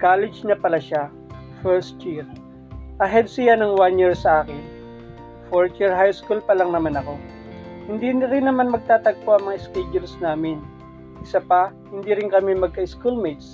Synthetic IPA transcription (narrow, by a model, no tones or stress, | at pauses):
kaːlɪd͡ʒnɐpɐlaʃa | fɛɹst̪jiɹ | ʔɐɦɛd̪̚sɪjanɐŋwanjiɹsɐʔaːkɪn | foɹt͡ʃiɹɦajskulpɐlɐŋnɐmanɐko̞ | hɪnd̪inɪɾɪnːɐmanmɐɡ̚t̪aːt̪ɐɡ̚poʔɐŋmɐŋaʔɪskɛd͡ʒʊlsnaːmɪn | ʔɪsapɐhɪnd̪iɾɪnkɐmimɐɡ̚kɐʔɪskulmid̪s